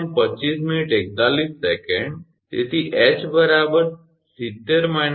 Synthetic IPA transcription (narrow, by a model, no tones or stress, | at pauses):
ɳpət͡ʃːisminiʈek̚t̪alisːɛkẽɳɖ | t̪ḛt̪ʰiʔɛt͡ʃbəɾabəɾ | sit̪ːeɾman